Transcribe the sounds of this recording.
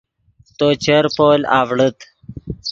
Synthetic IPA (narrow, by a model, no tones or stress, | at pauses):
t̪ot͡ɕəɾpoːlaːʋɽət̪